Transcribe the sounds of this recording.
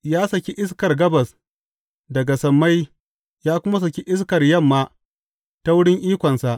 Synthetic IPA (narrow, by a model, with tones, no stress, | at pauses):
jaː˦sɐ˨kʲi˦ʔɪ˦skɐ˨rɡɐ˦bɐ˨s | dɐ˨ɡa˨sɐ˨mːa˦j | jaː˦kʷʊ˦ma˦s̬ɐ˨kʲi˦ʔɪ˦skɐ˨rjɐ˦˨mːaː˦ | ta˦wʊ˦ɽɪ˦ŋʔiː˦kʷɐ˨nsa˨ʔ